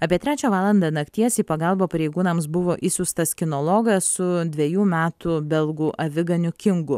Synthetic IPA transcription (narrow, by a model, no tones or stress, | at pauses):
ɐpʲiɛt̪ʲɾʲæːt͡ʃʲoːʋɑːlˠɐnd̪ɐnɐkt̪ʲiɛsiːpɐɡɐlˠboːpɐɾʲɛɪɡuːnɐmsbʊʋoːʔɪsʲʊːst̪ɐskʲɪnoːlˠoɡɐssʊd̪ʲʋʲɛjuːmʲæːt̪ubʲɛlˠɡuːʔɐʋʲɪɡɐnʲʊkʲɪŋɡʊ